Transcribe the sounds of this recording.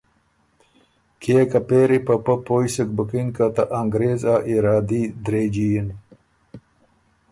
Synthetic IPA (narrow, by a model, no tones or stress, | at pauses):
kʰeːkɐpeːɾipɐpɐpoːjsək̚bəkinkat̪aʔaŋɡɾeːzaʔiɾaːd̪id̪ɾeːd͡ʑijin